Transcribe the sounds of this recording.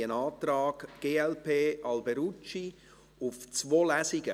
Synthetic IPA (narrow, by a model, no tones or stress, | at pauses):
ənɑːt̪rɑːɡɡ̥eːɛlpʰeːʔɑlbɛɾut͡ʃi | ʊft͡svoːlæsɪɡ̥ə